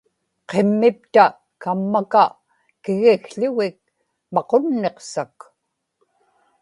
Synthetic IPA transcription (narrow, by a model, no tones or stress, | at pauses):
qe̞mːɪp̚t̪a | kamːaka | kɪɣixɬʊɣɪk̚ | mɑqonːe̞qsak